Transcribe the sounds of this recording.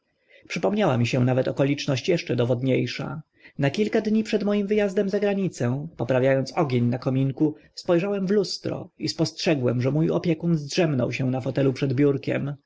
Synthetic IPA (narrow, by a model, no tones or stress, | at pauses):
pʂɘpɔmɲawa̰mʲiɕɛnavɛt̪ɔkɔlʲit͡ʂnɔɕt͡ɕjɛʂt͡ʂɛd̪ɔvɔd̪ɲejʂa̰ | nakʲilkad̪ɲipʂɛd̪mɔjimvɘjazd̪ɛmzaɡɾaɲit̪sɛ̃pɔpɾavʲjajɔnt̪sɔɡʲeɲnakɔmʲiŋkuspɔjʐawɛmvlust̪ɾɔ̰ispɔstʂɛɡwɛmʐɛmujɔ̰pʲjɛkunzdʐɛmnɔ̰wɕɛw̃nafɔt̪ɛlupʂɛd̪bʲjuɾkʲɛ̰m